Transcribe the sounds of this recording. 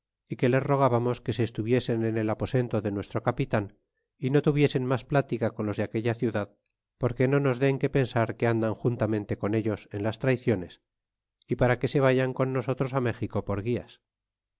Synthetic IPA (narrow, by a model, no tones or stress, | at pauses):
ike̞le̞zro̞ɣ̞aβamo̞ske̞se̞ːst̪uβje̞se̞nenelapo̞se̞nt̪o̞ðe̞nwe̞st̪ɾo̞kapit̪an | ino̞t̪uβje̞se̞nmasplat̪ikako̞nlo̞zðeake̞ʎaθjuðað | po̞ɾke̞no̞no̞zðe̞ŋke̞pe̞nsaɾkeand̪aŋxunt̪amẽ̞nt̪e̞ko̞ne̞ʎo̞se̞nlast̪ɾajθjo̞ne̞s | ipaɾake̞se̞β̞aʝaŋko̞nːo̞so̞t̪ɾo̞same̞xiko̞po̞ɾɣia̰s